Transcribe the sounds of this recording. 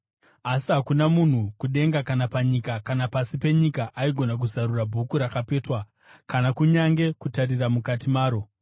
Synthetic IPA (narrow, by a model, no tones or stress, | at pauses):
asiɦakunamun̤ukuɗe̞ŋɡakanapaɲikakanapasipe̞ɲikaʔaiɡʱo̞nak̬uzaɾurabʱukuɾakape̞ːtwa | kanakuɲaŋɡe̞kutariramukatimaːɾo̞